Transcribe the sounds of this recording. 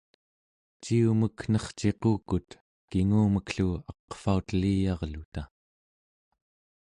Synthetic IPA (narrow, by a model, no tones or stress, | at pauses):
t͡ʃiuməkn̥ʌχt͡ʃe̞quːkut̪ | kiŋuːməkɬuɑqfaut̪liːjɑʁlut̪a